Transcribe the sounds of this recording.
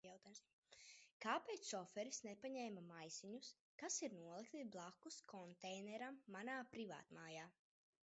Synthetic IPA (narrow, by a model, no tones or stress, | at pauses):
awt̪ams | kaːpeːt̪sɔfɛɾisnepaɲɛːmamajsiɲus | kasiɾnuɔlˠikt̪iblˠakːuskʰɔnt̪ɛjnɛɾamːanaːpɾiva̰ːt̪maːjaː